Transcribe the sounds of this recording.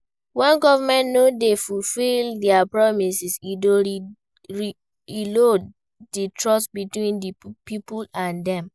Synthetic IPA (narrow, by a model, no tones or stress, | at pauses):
wɛ̃nɡɔvamɛ̃ntnodefulfildɛapɹɔmisisio | ɹi | ilo | ditɹɔsbitwĩndipipulãndɛ̃m